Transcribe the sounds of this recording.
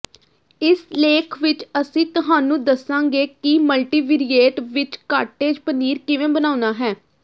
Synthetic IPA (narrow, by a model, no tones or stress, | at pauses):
ɪsleːkʰʋɪt͡ʃəsĩːt̪ʊɦaːnũːd̪əsãːŋɡeːkɪməlʈiːʋiɾieːʈʋɪt͡ʃkaːɾʈeːd͡ʒpəniːɾkɪʋẽːbənaːʊnaːɦɛː